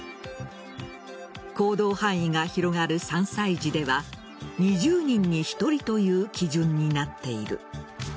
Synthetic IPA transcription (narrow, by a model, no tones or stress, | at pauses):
ko̞ːd̪o̞ːhãɰ̃iɡaçiɾo̞ŋaɾɯ̟sãɰ̃said͡ʑid̪e̞βa | ɲ̟iʑɨːɲ̟ĩɲ̟ːiçi̥t̪o̞ɾʲit̪o̞jɯ̟ːkʲiʑɯ̃ɲ̟ːinat̪ːe̞iɾɯ̟̰